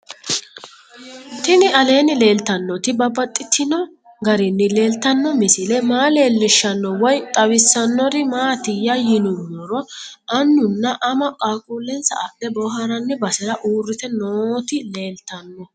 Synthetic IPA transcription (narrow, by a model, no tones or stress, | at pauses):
t̪ɪnɪɐle̞ːnɪle̞ːlt̪ɐnːɔt̪ɪbɐbɐt̪ʼːɪt̪ʰːɪnɔ | ɡɐɾɪnːɪle̞ːlt̪ːɐnːɔmɪsɪlɛmaːle̞ːlːɪʃːɐnːɔwɔjt̪ʼɐwɪsːɐnːɔɾɪmaːt̪ɪjːɐjɪnʊdɔɾɔʔɐnːʊnːɐʔɐmɐkʼaːkʼuːlːɛnsɐ̰ʔad̪ɛbɔɦɐɾɐnːɪbɐsɛɾɐʔuːrːɪt̪ɛnoːt̪ɪle̞ːlt̪ɐnːɔ